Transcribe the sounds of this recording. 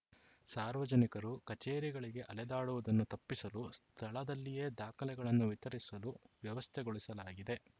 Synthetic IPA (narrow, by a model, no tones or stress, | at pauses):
saːɾʋɐd͡ʒɐnikɐɾukɐt͡ʃeːɾiɡɐɭiɡe̞ʔɐlɛd̪aːɽuʋɐd̪ɐnːut̪ɐpːisɐlust̪ʰɐɭɐd̪ɐlːije̞ːd̪aːkʰɐlɛɡɐɭɐnːuʋit̪ɐɾisɐluʋjɐʋɐst̪ʰɛɡoɭisɐlaːɡid̪e̞